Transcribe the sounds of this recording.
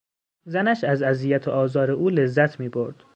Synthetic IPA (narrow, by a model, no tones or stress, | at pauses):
zænæʃæzæzijæt̪ʰeʔɒːzɒːɾeʔuːle̞zːæt̪ʰmiːbo̞ɾd̪̥